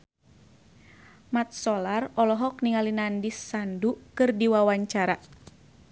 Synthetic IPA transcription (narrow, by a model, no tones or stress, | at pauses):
mat̪̚sɔlarɔlɔɦɔk̚niŋalinandisːandukɨrdiwawaɲt͡ʃaɾa